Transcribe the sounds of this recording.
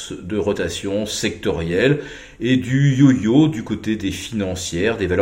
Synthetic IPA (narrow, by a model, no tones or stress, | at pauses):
sd̪əʁɔt̪asjɔ̃sɛk̚t̪ɔʁjɛl | ed̪yjojod̪ykot̪ed̪efinɑ̃sjɛʁd̪eval